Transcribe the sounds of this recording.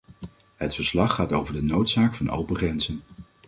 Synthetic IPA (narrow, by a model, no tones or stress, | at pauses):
ɦətfəɹslɑχːaːtowvəɹdənowtsaːkfɑno̰wpəχrɛnzən